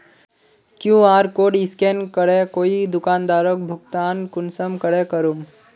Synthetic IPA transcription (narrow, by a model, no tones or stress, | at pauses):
kjũaːɾkoːɖɪskenkəɽekoːid̪ʊkaːnd̪aːɾok̚bʱʊkt̪aːnkʊnsəmkəɽekəɾum